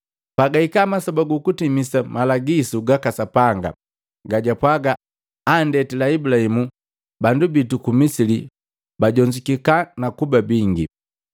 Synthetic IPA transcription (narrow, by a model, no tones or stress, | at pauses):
paɡaikamasɔbaɡukutimisamalaɡizuɡakasapaŋɡa̰ | ɡaɟapwaɡaː | ndɛtilaibulahimu | bandubitukumisili | baɟɔɲd͡ʒikikanakubabiŋɡḭ